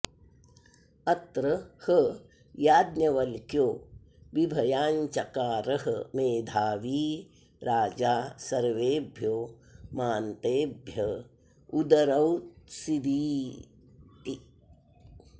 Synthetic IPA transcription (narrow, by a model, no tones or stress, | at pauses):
ɐt̪ɾɐhə | jaːd̪nʲɐʋɐlkjoː | ʋibʱɐjaːɲt͡ʃɐkaːɾɐɦɐmeːd̪ʱaːʋiː | ɾaːd͡ʒaːsɐɾʋeːbʱjoː | maːnt̪eːbʱjɐ | ud̪ɐɾɐwt̪sid̪iː | t̪i